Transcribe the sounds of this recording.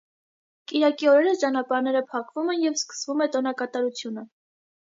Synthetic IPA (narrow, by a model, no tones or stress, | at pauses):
kiɾɑkiɔɾɛɾəst͡ʃɑnɑpɑɾnɛɾəpʰɑkʰvumɛnjɛvskə̥svumɛt̪ɔnɑkɑt̪ɑɾut͡sʰjunə